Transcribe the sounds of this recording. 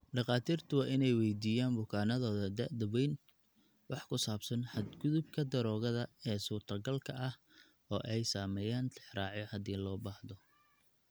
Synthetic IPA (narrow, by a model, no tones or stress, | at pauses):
ɖɑqɑːt̪ʰiːrt̪ʰʊwɑːʔɪnɛjwɛjd̪iːjaːnbʊkʰaːnɐðɔːðɐd̪ɐʔd̪ɐwɛjn | wɑħkʰʊsaːbsɐnħɐd̪ɡʊðʊb̚kʰɐd̪ɐɾɔːɣɐðɐɛːsuːrt̪ʰɐɡɐlkʰɐʔɐh | ɔːʔɛjsaːmɛːjaːnt̪ʰɪħrɑːʕjɔhɐd̪iːlɔːbaːhðɔ